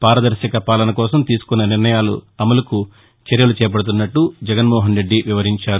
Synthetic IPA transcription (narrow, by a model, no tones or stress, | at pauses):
paːɾɐd̪ɐɾʃɐkɐpaːlɐnɐkɔːsɐmt̪iːsu̥kunːɐniɾnɐjaːlṵɐmɐlɐku | t͡ʃeɾjɐlut͡ʃɛːp̬ɐɽut̪̬unːɐʈːud͡ʒɛɡɐnmɔːɦɐnɾe̞ɖːiʋiʋɐɾiɲt͡ʃaːɾu